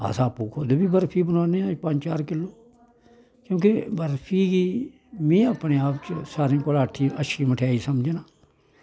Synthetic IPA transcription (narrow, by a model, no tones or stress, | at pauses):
a̰ːsaːpuːkʰoːd̪oːbiːbəɾpʰiːbənãːnẽːãːpə̃ɲd͡ʒt͡ʃaːɾkɪlːoː | kjõːk̬ebəɾpʰiːɡiː | mẽːəpneːaːpt͡ʃsaːɾĩːkʊlaːʈʰĩːʔəʃiːməʈʰjaːiːsəmd͡ʒenãː